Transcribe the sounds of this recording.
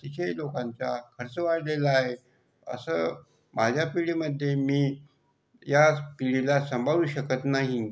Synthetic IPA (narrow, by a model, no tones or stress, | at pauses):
t̪it̪ʰelokãɲt͡sakʰəɾt͡səʋaɽlelaːɦe | ə̰səː | mad͡ʑʱjapiɭiməd̪ʱːjemiː | japiɭilasəmbʱaʋuːɕəkət̪naɦi